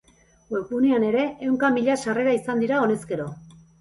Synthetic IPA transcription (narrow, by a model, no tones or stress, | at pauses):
ɡwekuniane̞ɾe̞ːwŋkamiʎasare̞ɾaisand̪iɾao̞ne̞ske̞ɾo̞